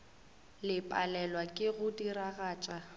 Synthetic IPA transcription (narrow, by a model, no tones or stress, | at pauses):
lɪpʼa̰lɛlwakʼɪɣʊdiɾaɣaːt͡ʃʼa